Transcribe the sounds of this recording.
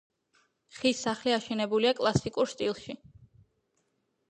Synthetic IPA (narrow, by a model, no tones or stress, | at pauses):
χisaχliaʃɛnɛbuliakʼlˠasikʼuɾst̪ʼilˠʃi